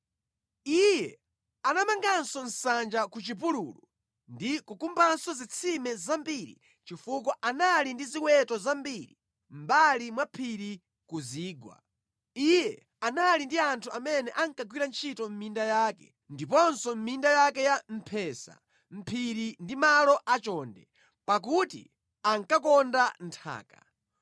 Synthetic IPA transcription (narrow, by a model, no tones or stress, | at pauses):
ijɛ | anamaŋɡansɔn̩sand͡ʒakut͡ʃip̬uɾulu | ndikukumbansɔzit͡sʰimɛzambiɾḭ | t͡ʃifuk̬ɔʔanalindiziwɛtɔzambiɾḭ | m̩balimwapʰiɾi | kuziːɡwa̰ | ijɛ | analindiantʰuamɛnɛʔaŋkaɡwiɾant͡ʃʰitɔm̩mindajaːkɛ̰ | ndipɔnsɔm̩mindajakɛjam̩pʰɛsa̰ | m̩pʰiɾindimalɔʔat͡ʃɔndɛ | pak̬utḭ | aŋkakɔndan̩tʰa̰ːkḁ̰